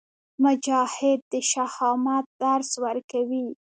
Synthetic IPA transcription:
mʊd͡ʒɑhɪd̪̚ːəʃahɑmɑt̪̚d̪aɾswəɾkawi

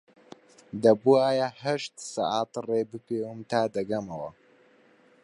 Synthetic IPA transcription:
d̪ɐbuaːjahɐʃt̪sɑ̰ʔat̪reːbɨpeːwɨmt̪aːd̪ɐɡɐmɐwɐ̰

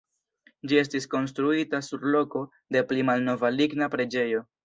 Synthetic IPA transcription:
d͡ʒie̞s̬tisko̞ns̬tɾuitasuɾlo̞ko̞ | de̞plimalno̞valiɡnapɾe̞d͡ʒe̞jo̞

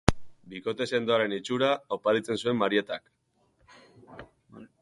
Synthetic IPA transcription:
biko̞t̪ese̞nd̪oaɾe̞nit͡ʃuɾaopaɾit͡se̞nsue̞mːaɾiet̪ak

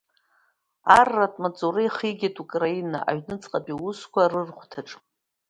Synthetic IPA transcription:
arːatʼmat͡sʼuɾejχiɡʲatʼukʼraina̰ʔa̰ɥnɨt͡sʼqʼapʼiwuskʷʰarɨrχʷtʰaʈ͡ʂʼ

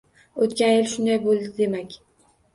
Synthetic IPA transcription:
ot̪kʲanjɪlʃʊnd̪ajbolˠd̪ɪd̪e̞makʲ

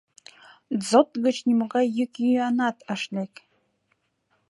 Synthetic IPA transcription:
zot̪ʼɡət͡ʃʰnʲimuɡajɨkʲʼianat̪ʰaʂlʲekʲʼ

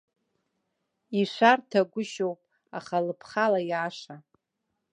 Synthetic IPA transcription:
iʂʷartʰaɡʷʊʃowpʼ | aχalɨpʰχalajaːʂa

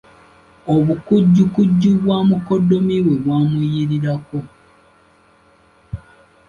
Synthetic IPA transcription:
oβukuɟːukuɟːuβwaːmuko̞dːomiβwe̞βwaːmujiɾiɾako̞

